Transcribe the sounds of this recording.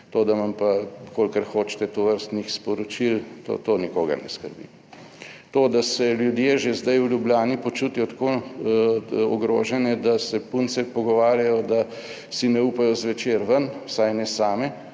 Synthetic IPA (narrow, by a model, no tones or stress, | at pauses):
t̪oːd̪amɐmpakoːlkəɾxoːt͡ʃt̪ɛt̪oʋəɾst̪nixspɔɾɔt͡ʃilt̪o̰ːt̪oːnikoːɡɐ̰ɾnɛ̰skəɾbḭ | t̪oːd̪asɛljud̪jeʒezd̪ajulʲjubljaːnipot͡ʃuːt̪ijɔt̪ḁko | ɔɡɾoːʒɛnɛd̪asɛpunsɛpɔɡɔʋaːɾjajɔd̪a | sinɛuːpajɔzʋɛt͡ʃeːɾʋənsajnɛsaːmɛ